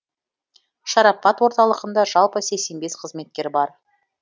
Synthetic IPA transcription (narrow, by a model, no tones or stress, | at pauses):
ʃɑɾɑpːɑt̪wo̞ɾt̪ɑlˠəʁənd̪ɑʒɑlˠpəse̞kse̞nbe̞sqʰəzme̞t̪̚kʲe̞ɾbɑɾ